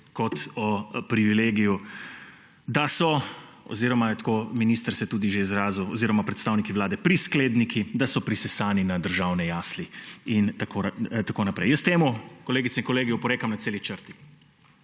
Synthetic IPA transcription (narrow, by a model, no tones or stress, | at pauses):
kɔt̪ɔpɾiʋileːɡiju | d̪asɔ | ɔ̰ziːɾɔmajɛt̪koːminiːst̪əɾsɛt̪uːd̪iʒeizɾaːzuwɔziːɾɔmapɾɛt̪st̪aːwnikiʋlaːd̪ɛpɾiskleːd̪nikʰid̪asɔpɾisɛsaːninad̪əɾʒawnɛjaːsliint̪akot̪akonapɾɛ̰jəst̪eːmukɔleːɡit̪sɛiŋkɔleːɡijupɔɾeːkamnat̪seːlit͡ʃəɾt̪i̥